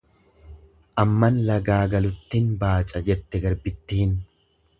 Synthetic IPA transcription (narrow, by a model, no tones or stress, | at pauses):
ʔɐmːɐnlɐɡaːɡɐlʊt̪ːinbaːt͡ʃʼɐd͡ʒɛt̪ːɛɡɐɾbɪt̪ːɪhɪn